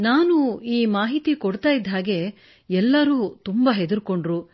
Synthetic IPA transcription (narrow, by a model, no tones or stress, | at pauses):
naːnuiːmaːɦit̪ikoɽt̪aːjid̪ʱɦaːɡe̞ | ɛlːɐɾuːt̪umbɐɦed̪uɾko̞ɳɖɾu